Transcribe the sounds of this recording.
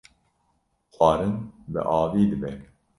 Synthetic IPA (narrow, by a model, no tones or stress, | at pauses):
xʰʷɑːɾɨnbɨ̰ʔɑːviːd̪ɨbɛ